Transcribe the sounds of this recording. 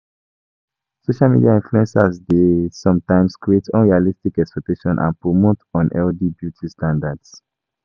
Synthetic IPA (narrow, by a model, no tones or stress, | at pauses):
soʃalmḭdiaĩnfluɛ̃nsazdesɔ̃mtãɪ̃mskɹietʰɔ̰̃nɹialistikɛkspɛk̚teʃɔ̃nʔã̰npɹomotɔ̃nʔɛldibjutʰistãndads